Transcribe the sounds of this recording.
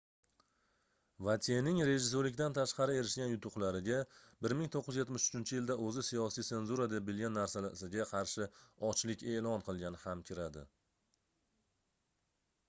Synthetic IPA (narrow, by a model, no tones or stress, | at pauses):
vat̪ʰenɪŋɾe̞ʒɪs̬oɾlɪk̚ʲt̪ant̪ʰaʃqɑɾɪeɾɪʃɡʲanjʊt̪ʰʊqlˠaɾɪɡʲabɪɾmɪŋt̪ʰoqːɪzje̞t̪mɪʃʊ̥t͡ʃʰɪnt͡ʃʰɪjɪld̪aʔɵzɪsijɒsijt̪e̞nzuɾad̪abɪlɡʲanːaɾsasɪɡʲaqʰɑɾʃɪɒt͡ʃlɪkʲe̞lˠɒnqʰɨlˠɡʲanɪhamkʲʰɪɾad̪ɪ̰